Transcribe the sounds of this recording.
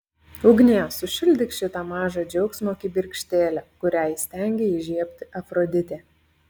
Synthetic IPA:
ʊɡʲnʲiɛsʊʃʲɪlʲd̪ʲɪkʃʲɪt̪ɑmɑːʒɐd͡ʒʲɛʊksʲmʲokʲɪbʲɪɾʲkʃʲt̪ʲeːlʲækʊɾʲæˑjsʲt̪ʲæˑŋʲɡʲeɪʒʲiɛpʲt̪ʲɪʔɐfɾoːd̪ʲɪt̪ʲeː

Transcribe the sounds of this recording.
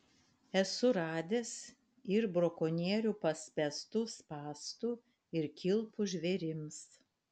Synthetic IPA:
ɛsʊɾɑːd̪ʲes | ɪɾbɾoːkoːnʲiɛɾʲuːpɐsʲpʲɛst̪ʊspɑːst̪u | ɪɾkʲʰɪlˠpʊʒʲʋʲeɾʲɪms

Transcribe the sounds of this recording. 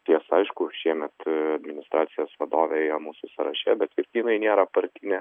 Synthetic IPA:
t̪ʲiɛsɐɪʃkʊʃʲiɛmʲɛt̪ɐd̪ʲmʲɪnʲɪst̪ɾɑːt̪sʲɪjoːsʋɐd̪oːʋʲɛɛɪjomuːsʊsɐɾɐʃʲɛbʲɛt̪ɪɾt̪ʲiːnɐɪnʲeːɾɐpɐɾʲt̪ʲɪnʲɛ

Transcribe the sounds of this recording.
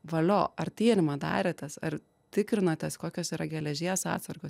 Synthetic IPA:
ʋɐlʲoːɐrt̪ʲiɛnʲɪmɐd̪ɑ̰ːɾʲɛt̪ɐsɐr | t̪ʲɪkɾʲɪnot̪ʲɛskoːkʲoːsiːɾɐɡʲɛlʲɛʒʲiːɛsɑ̰ːt̪sɐrɡoːs

